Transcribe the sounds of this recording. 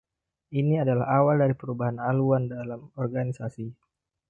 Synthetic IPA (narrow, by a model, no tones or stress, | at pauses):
ʔiniadala̰ɦawaldaɾipəɾubaɦanaluandalamɔrɡanisasi